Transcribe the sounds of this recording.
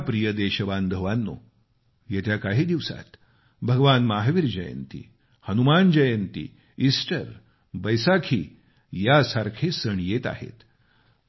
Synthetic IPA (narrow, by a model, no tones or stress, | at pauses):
pɾijəd̪eɕəband̪ʱəʋanːo̰ | jet̪ʰjakaɦiːd̪iʋsa̰t̪ | bʱəɡʋanmaɦʋiɾd͡ʑəjə̰nt̪ḭ | hənumand͡ʑəjənt̪ḭ | isʈəɾ | bəjsakʰiː | jasaɾkʰesəɳjet̪a̰hḛt̪